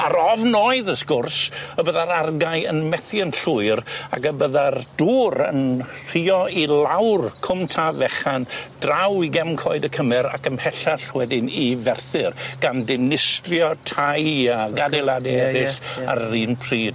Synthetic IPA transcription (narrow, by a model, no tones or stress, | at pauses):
aɾɔvnɔɨðəskʊrsəbəðaɾarɡajənmɛθjənɬʊɨɾa̰kəbəðard̥uːɾə̰nr̥iːɔilˠawrkʰʊmtʰavɛχand̥rawiɡɛmkʰɔɨdəkʰəmɛɾa̰kənpʰɛɬaɬwɛdɪnivɛrθɪrɡ̥andɪnɪstrjɔtʰajaɡadɛlˠadɛɛɾɪsa̰ɾriːnpʰriːd